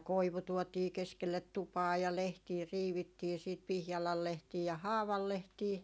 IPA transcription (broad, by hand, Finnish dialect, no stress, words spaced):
koiʋu tuotiː keskelːet tupɑː jɑ lehtiː riːʋitːiː siːt pihjɑlɑl lehtiː jɑ hɑːʋɑl lehtiː